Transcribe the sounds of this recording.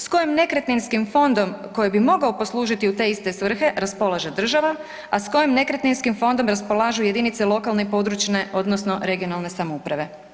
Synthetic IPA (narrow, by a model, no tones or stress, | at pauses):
sko̞jimne̞kɾet̪ninskimfo̞nd̪o̞mko̞jebimo̞ɡaopo̞slˠuːʒit̪iut̪e̞ːist̪e̞sʋr̩xe̞ɾaspo̞lˠaʒed̪r̩ʒaʋa | asko̞jimne̞kɾet̪ninskimfo̞nd̪o̞mɾaspolˠaːʒuje̞d̪init̪selo̞kalˠnepo̞d̪ɾut͡ʃneʔo̞d̪nosno̞ɾe̞ɡio̞nalˠne̞samoupɾaʋe̞